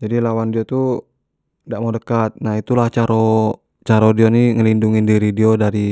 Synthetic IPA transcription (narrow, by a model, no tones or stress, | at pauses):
d͡ʒadilawandiot̪u | daʔmadəkat̪̚nahit̪ulaht͡ʃaɾɔ | t͡ʃaɾɔdioniŋəlinduŋindiɾidiodaɾi